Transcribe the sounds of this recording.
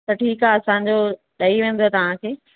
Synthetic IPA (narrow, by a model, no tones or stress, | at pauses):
t̪ɐʈʰiːkaːɐsãɲd͡ʑoː | ɗɐiʋẽːn̆d̪oet̪ɐʋ̤ãkʰeː